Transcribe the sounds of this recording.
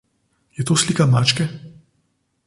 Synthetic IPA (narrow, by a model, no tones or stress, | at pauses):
jɛt̪oːsliːkamaːt͡ʃkɛ